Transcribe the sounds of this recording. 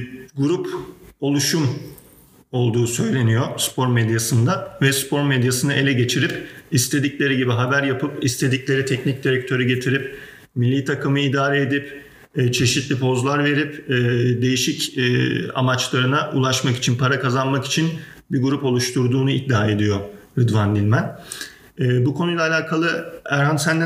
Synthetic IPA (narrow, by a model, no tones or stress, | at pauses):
ɡuɾupo̞lˠuʃum | o̞lˠd̪uːsø̞jlʲe̞nijospʰo̞ɾmed̪jasɯnd̪avɛspʰo̞ɾmed̪jasɯnɯʔe̞lʲɛɟe̞t͡ʃʰiɾipist̪ʰe̞d̪iclʲe̞ɾiɟibiɦabæɾjapʰɯpist̪ʰe̞d̪iclʲe̞ɾit̪ʰɛcnic̚d̪iɾɛk̚t̪ʰø̞ɾyɟe̞t̪ʰiɾip | milʲːiːt̪ʰakʰɯmɯid̪aːɾeːd̪ipː | t͡ʃʰe̞ʃit̪lʲipʰo̞zlˠaɾve̞ɾipːd̪e̞jiʃicː | a̰mat͡ʃlˠaɾɯnaʔṵlˠaʃmaki̥t͡ʃʰinpʰaɾakazanmaki̥t͡ʃʰin | biɡuɾupo̞lˠuʃt̪ʰuɾd̪uːnuid̚d̪ːaːe̞d̪ijoɾɯd̪vand̪ilʲmænː | bukʰo̞nujlʲˠaːlʲaːkʰalˠɯæɾɦansænd̪ɛ